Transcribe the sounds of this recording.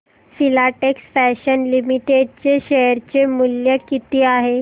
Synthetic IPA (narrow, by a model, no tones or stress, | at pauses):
filaʈeksfɛɕənlimiʈeɖ̚t͡ɕeɕeəɾt͡ɕemuljəkit̪iːaɦe